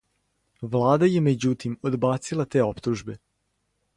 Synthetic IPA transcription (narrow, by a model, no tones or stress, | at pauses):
ʋlˠaːd̪aje̞med͡ʑut̪imod̪baːt̪silˠat̪e̞ːo̞pt̪uʒbe̞